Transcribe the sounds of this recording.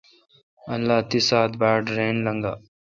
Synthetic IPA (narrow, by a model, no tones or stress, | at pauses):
ɐnlaːt̪isaːt̪baːɖɾeːnlɐŋɡa̰